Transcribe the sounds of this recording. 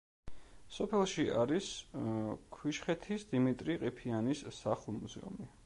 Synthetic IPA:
sɔpʰɛlˠʃia̰ɾis | kʰwiʃχɛt̪ʰisd̪imit̪ʼɾiqʼipʰianisːaχulˠmuzɛ̰ṵmi

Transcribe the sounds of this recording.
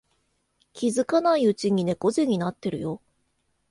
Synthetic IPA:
kʲizɨkanaiɯ̟t͡ɕiɲ̟ine̞ko̞zeɲ̟inat̪ːe̞ɾɯ̟̰jo̞

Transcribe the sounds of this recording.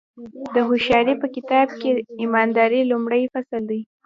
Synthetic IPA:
d̪əɦʊʃɑɾipəkɪt̪ɑb̚keimɑnd̪ɑɾilumɽəjfasəld̪aj

